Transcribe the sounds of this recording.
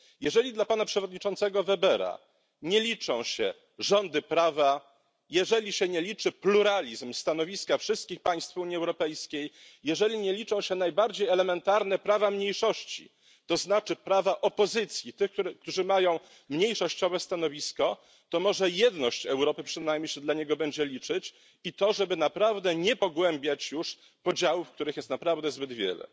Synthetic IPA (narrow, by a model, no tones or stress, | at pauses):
jɛʐɛlʲid̪lapanapʂɛvɔd̪ɲit͡ʂɔnt̪sɛɡɔvɛbɛɾa̰ | ɲɛlʲit͡ʂɔ̃w̃ɕɛ | ʐɔnd̪ɘpɾava | jɛʐɛlʲiɕɛɲɛlʲit͡ʂɘpluɾalʲizmst̪an̪ɔvʲiskafʂɘst̪̚kʲixpaj̃st̪fuɲiɛwɾɔpɛjskʲejjɛʐɛlʲiɲɛlʲit͡ʂɔ̃w̃ɕɛnajbaɾd͡ʑejɛlɛmɛnt̪aɾnɛpɾavamɲejʂɔɕt͡ɕḭ | t̪ɔznat͡ʂɘpɾavaʔɔpɔzɘt̪sʲjit̪ɘxk̪ukt̪uʐɘmajɔ̃w̃ | mɲejʂɔɕt͡ɕɔvɛst̪an̪ɔvʲiskɔ | t̪ɔmɔʐɛjɛd̪nɔɕt͡ɕɛwɾɔpɘpʂɘnajmʲɲejɕɛd̪laɲɛɡɔbɛɲd͡ʑɛlʲit͡ʂɘt͡ɕ | it̪ɔʐɛbɘnapɾavd̪ɛɲɛpɔɡwɛmbʲjat͡ɕjuʂ | pɔd͡ʑawufk̚t̪uɾɘxjɛst̪napɾavd̪ɛzbɘd̪vʲjɛ̰lɛ̰